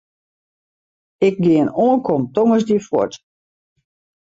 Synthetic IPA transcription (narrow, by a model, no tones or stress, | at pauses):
ɪk̚ɡɪənoːənkʰɔmtɔŋəsdiəfwɔ̰t